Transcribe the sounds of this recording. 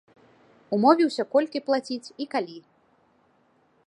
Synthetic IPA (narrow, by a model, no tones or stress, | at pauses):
umɔvʲiwsʲɐkɔlʲkʲiplˠat͡sʲit͡sʲikalʲi